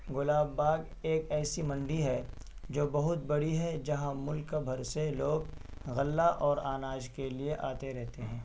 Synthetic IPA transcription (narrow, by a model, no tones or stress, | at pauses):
ɡʊlaːbːaːɡ | eːkɛːsimɐ̃ɳɖiɦɛ | d͡ʒoːbɐɦʊt̪̚bɐɽiɦɛd͡ʒɐɦãmʊlkːabʱɐɾseloːɡɣɐlːaʔɔːɾaːnaːd͡ʒkelieʔa̰ːt̪eɾɛɦt̪eɦɛ̃ː